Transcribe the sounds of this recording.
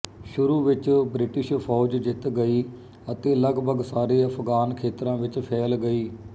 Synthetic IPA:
ʃʊɾuːʋɪt͡ʃbɾɪʈɪʃpʰɔːd͡ʒd͡ʒɪt̪ɡəiː | ət̪eːləɡbʱəɡsaːɾeːəpɡaːnkʰeːt̪ɾãːʋɪt͡ʃpʰɛːlɡəiː

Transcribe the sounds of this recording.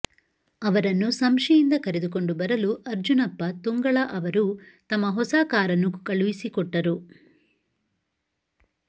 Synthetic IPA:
ɐʋɐɾɐnːusɐmʂijind̪ɐkɐɾed̪uk̬o̞ɳɖubɐɾɐluʔɐɾd͡ʒunɐpːɐt̪uŋɡɐɭɐʔɐʋɐɾut̪ɐmːɐɦɔsaːkaːɾɐnːukɐɭuʋisikɔʈːɐɾu

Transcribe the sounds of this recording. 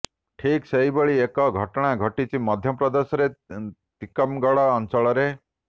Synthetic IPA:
ʈʰikseɦibeɭiekɔɡʱɔʈɔɽ̃aɡʱɔʈit͡ʃimɔd̪ʱjɔpɾɔd̪esɔɾet̪ikɔmɡɔɭɔːnt͡ʃɔɭɔɾe

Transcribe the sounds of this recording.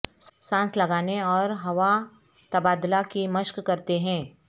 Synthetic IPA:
sãːslɐɡaːneɔːɾɦɐʋa | t̪ɐbaːd̪lakimɐʃkkɐɾt̪eɦɛ̃ː

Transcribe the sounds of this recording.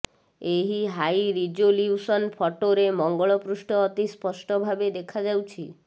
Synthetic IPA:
eɦiɦajɾid͡ʒoljiusɔnpʰɔʈoɾemɔŋɡɔɭɔpɾusʈɔːt̪ispɔsʈɔbʱabed̪ekʰad͡ʒawt͡ʃʰi

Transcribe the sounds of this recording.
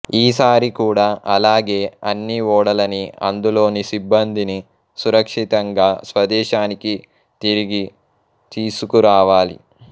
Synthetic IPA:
iːsaːɾikuːɽaːʔɐlaːɡe̞ːɐnːiɔːɽɐlɐniɐ̰nd̪ulo̞ːnisibːɐnd̪ʱini | suɾɐkʂit̪ɐŋɡaːsʋɐd̪ɛːʃaːniki | t̪iɾiɡi | t̪iːsukuɾaːʋaːlḭ

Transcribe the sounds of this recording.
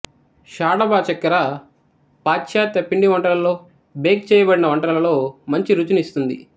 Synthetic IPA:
ʃaːɽɐbaːt͡ʃɐkːɐɾa | paːt͡ʃʃaːt̪ːɐpːiɳɖiʋɐɳʈɾɐlɐlo̞ː | beːkt͡ʃɛːjɐbɐɽinɐʋɐɳʈɐɾɐlɐlo̞ːmɐɲt͡ʃiɾut͡ʃunist̪und̪ḭ

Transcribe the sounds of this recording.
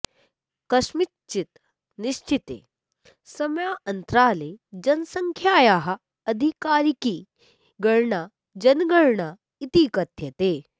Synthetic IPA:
kɐʃmi | t͡ʃːit̪ | niʃt͡ʃit̪ḛː | sɐmjaːɐnt̪ɾaːleːd͡ʒɐnsɐŋkʰjaːjaːɦɐ̆ | ɐd̪ʱikaːɾiki | ɡɐɽɳaː | d͡ʒɐnɡɐɽɳa | it̪ikɐt̪jɐt̪eː

